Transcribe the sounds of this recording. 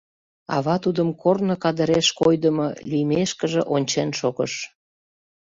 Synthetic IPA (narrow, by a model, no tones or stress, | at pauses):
ɑ̰βɑt̪ud̪əmkornəkɑd̪əɾeʃkojd̪əmo̰lyjmeʃkəʒeʔonʲt͡ɕenʃoɣəʃ